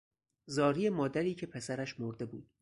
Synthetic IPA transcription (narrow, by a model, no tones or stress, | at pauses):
zɒːɾijemɒːd̪æɾiːcʰe̞pʰe̞sæɾæʃmoɾd̪e̞buːd̪̥̚